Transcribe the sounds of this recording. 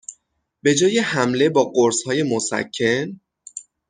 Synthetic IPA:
be̞d͡ʒɒːje̞hæmle̞bɒːɢoɾshɒːje̞mosæ̰cʰːe̞n

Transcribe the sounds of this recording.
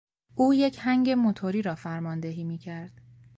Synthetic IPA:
ʔuːje̞cʰhæŋɟe̞mot̪ʰoɾiːɾɒːfæɾmɒːnd̪eɦiːmiːcʰæɾd̪̥

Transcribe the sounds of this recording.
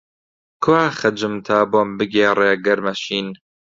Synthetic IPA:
kʰwaːxɐd͡ʒɨmt̪ʰaːboːmbɨɡeːreːɡɐɾmɐʃiːn

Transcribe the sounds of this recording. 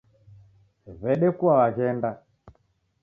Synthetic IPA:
βɛɗɛkuawaɣɛnda

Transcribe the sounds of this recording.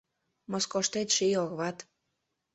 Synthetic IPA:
moskoʃt̪et̪ʃijoɣβɑt̪

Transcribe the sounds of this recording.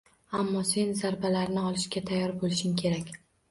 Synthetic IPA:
amːɒse̞nzaɾbalaɾnɪɒlˠɪʃkʲat̪ʰajːɒɾbolɪʃɪmkʲʰe̞ɾakʲ

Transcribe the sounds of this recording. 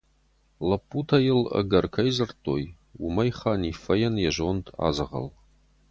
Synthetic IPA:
lɐpʼːutʰɐjɪlə̰ɡɐrkʰɐjzɨrtʰʼoːj | wʊmɐjχaːniːfɐjɛnjɛʒoːntʰa̰ːzɨʁɐ̰l

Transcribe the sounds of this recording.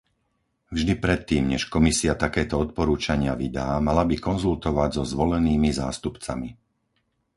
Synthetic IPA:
vʒd̪ipɾɛt̪ːiːmɲɛʃkɔmisiat̪akɛːt̪ɔɔt̪̚pɔɾuːt͡ʃaɲɪaʋid̪aːmalabikɔnzult̪ɔʋaɟzɔzʋɔlɛniːmiza̰ːst̪upt͡sa̰mi

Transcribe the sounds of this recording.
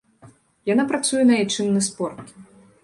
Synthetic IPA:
janapɾat̪sujɛnɐajt͡ʂɨnːɨspɔrt̪

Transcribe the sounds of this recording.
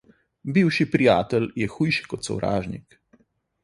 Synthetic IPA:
biwʃipɾijaːt̪ɛljɛxujʃi̥kɔt̪sɔ̰wɾa̰ːʒnḭk

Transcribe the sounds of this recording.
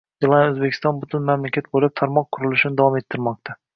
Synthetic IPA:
d̪elˠaɵzbekʲɪ̥st̪ɒnbʊt̪ʰɪnmamlakʲʰat̪̚bolɪp̚t̪ʰaɾmɒq̚ːʰʊɾɪlɪʃɪnɪd̪avɒme̞t̪ʰːɪɾmɒqt̪ʰa

